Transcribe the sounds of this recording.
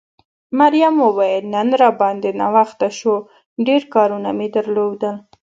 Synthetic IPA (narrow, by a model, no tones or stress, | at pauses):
maɾjamowɑjənənɾɑbɑnd̪ena̰waxt̪aʃo | ɖeɾkɑɾunamed̪əɾlod̪əl